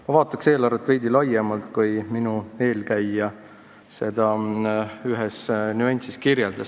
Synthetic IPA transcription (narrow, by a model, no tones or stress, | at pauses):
mɑvɑːt̪ːˑɑkse̞ːlɑɾɑt̪ːvejd̪ilɑjemɑlt̪kujminue̞ːlkæjːɑ | se̞d̪ɑ | yɦɛsnuenʲt̪siskirjeld̪ɑs